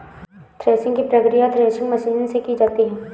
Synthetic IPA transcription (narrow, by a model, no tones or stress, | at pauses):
t̪ɾeːsɪ̃ŋɡkipɾɐkɾijat̪ʰɾeːsɪ̃ŋɡmɐʃiːnsekid͡ʒaːt̪iɦɛ̃ː